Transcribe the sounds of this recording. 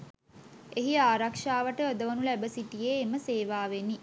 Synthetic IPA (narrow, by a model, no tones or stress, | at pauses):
eɦiaːɾakʂaːʋəʈəod̪əʋənulæbəsiʈijeːməseːʋaːʋenːi